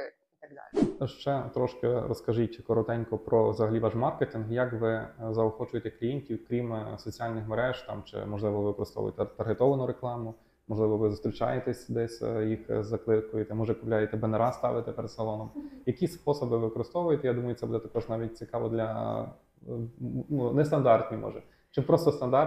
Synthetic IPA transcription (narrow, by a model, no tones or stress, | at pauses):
it̪ɐɡ̚d̪ɑ̰lʲʃt͡ʃɛt̪ɾɔʃkeɾɔskɐʒitʲkɔɾɔt̪ɛnʲkɔpɾɔʋzɐɦɐlʲiʋɑʃmɑrket̪ʲinɦjɐkʋɪzɐɔxɔt͡ʃʊjet̪ɛklʲijenʲtʲiwkɾʲimsɔt͡sʲiɑlʲnɪxmɐɾɛʒt̪ɑ̰mt͡ʃɪ̰mɔʒlˠɪʋɔʋʋɪkɔɾɪst̪ɔ̰ʋʊ̰jt̪ɛt̪ɐɾɦet̪ɔʋɐnʊɾeklˠɑmʊ | mɔʒlˠɪʋɔʋɪzʊst̪ɾʲit͡ʃɑ̰jet̪ɛsʲd̪ɛsʲjixzɐklˠɪkʊjet̪ɛmɔʒɛkʊplʲajet̪ɛbeneɾɑst̪ɑ̰ʋɪt̪ɛpeɾed̪sɐlˠɔnɔmjɐkisʲspɔsɔbɪʋɪɪkɔɾɪst̪ɔʋʊjet̪ɛjad̪umɐjʊt̪ɛbud̪ɛt̪ɐkɔʒnɑʋʲit̚ʲt͡sʲɪkɑʋɔd̪lʲɐ | unɛst̪ɐnd̪ɑrt̪ʲnʲimɔ̰ʒɛ | t͡ʃɪpɾɔst̪ɔst̪ɐnd̪ɑ